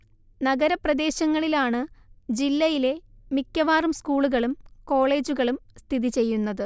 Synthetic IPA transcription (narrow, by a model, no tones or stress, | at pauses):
nɐɡɐɾɐprɐd̪e̞ːɕɐŋːɐɭilaːɳɨd͡ʑilːɐjile̞mikʲːɐʋaːrumskuːɭuɣɐɭumko̞ːɭe̞ːd͡ʑuɣɐɭumst̪ʰiðit͡ɕe̞jːunːɐðɨ